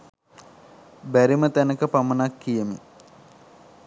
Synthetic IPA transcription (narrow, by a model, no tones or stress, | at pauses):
bæɾimət̪ænəkəpamənakːijəmi